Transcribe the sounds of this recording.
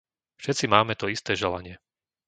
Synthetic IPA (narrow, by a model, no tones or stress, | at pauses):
fʃɛt̪t͡simaːmɛt̪ɔist̪ɛːʒɛla̰ɲɪɛ